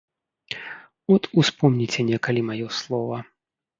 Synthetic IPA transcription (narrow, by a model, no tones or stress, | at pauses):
ɔt̪uspɔmnʲit͡sʲɛnʲɛkɐlʲimajɔslˠɔvɐ